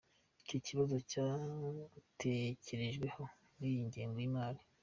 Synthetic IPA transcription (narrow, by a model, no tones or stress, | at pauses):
icociβazo̞ca | tʰece̞ɾe̞ʒɡwe̞ho̞ | ɾijiɲɟeːŋɡoimaːɾi